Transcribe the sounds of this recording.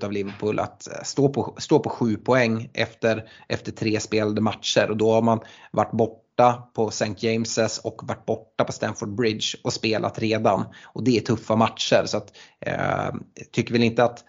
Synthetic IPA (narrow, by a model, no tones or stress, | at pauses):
t̪avlɪvəɾpʰʊːlʔa̰t̪st̪oːpʰɔst̪oːpʰɔɧʉ̟ːpʰɔɛŋːʔɛ̰ft̪əɾʔɛft̪əʈʰɾeːspeːland̪əmat̪ʂəɾʔɔd̪ɔhaɾmanvaʈːbɔʈːapʰɔsɛŋk̪jɛɪmsəsɔkːvaʈ̚ːbɔʈːapʰɔst̪ænfɔɖ̚bɾɪd̪ʃɔspeːlʔa̰t̪ɾeːd̪anʔɔd̪ɛæʈʰɵfːamat̪ʂəɾsɔat̪ | t̪ʰːʏkːəɾvɛlɪnt̪əat̪